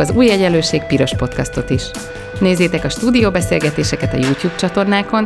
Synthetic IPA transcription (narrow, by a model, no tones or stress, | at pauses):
ɒzuːjːɛɟɛløːʃeːk̚piɾo̞ʃpo̞t̪kɒst̪o̞t̪iʃ | neːzːeːt̪ɛkɒʃt̪uːd̪ijoːbɛseːlɡɛt̪eːʃɛkɛt̪ɒ̰juːt̪juːb̚t͡ʃɒt̪o̞rnaːko̞n